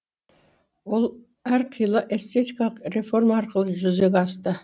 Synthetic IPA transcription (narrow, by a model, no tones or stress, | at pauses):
wo̞lˠ | æɾqʰijlˠəʔe̞st̪e̞t̪ikalˠəqre̞fo̞rmaɑɾqəlˠəʒʏzeɡʲɑst̪ə